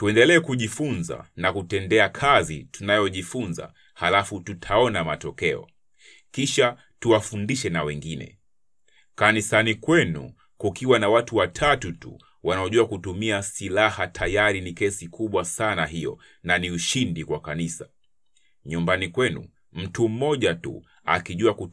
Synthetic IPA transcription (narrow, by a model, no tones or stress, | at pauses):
tuɛndɛlɛːkuʄifunza̰nakutɛndɛakʰazḭtunajɔʄifunza̰ | halafututʰaɔnamatɔkɛɔ̰ | kiʃa | tuwafundiʃɛnawɛŋɡinɛ̰ | kanisanikwɛnṵ | kukʰiwanawatuwatʰatutṵ | wanaɔʄuakutumiasilahatʰajaɾinikɛsikʰuɓwasanaɦijɔ̰ | naniuʃindikwakanisa | ɲumbanikwɛnṵ | m̩tum̩mɔʄatṵ | a̰kiʄuaku